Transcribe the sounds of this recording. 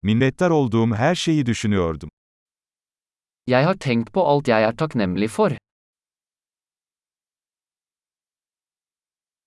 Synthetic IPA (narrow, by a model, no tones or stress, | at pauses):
minlɛt̪ːæɾɔlˠd̪uːmɦæːɾʃejɪd̪ʉʃynyjøɾd̪ʉm | jæɪhɑːʈʰɛŋt̪pʰoːʔɑlt̪jæɪæːʈʰɑknɛmlɪfɔɾ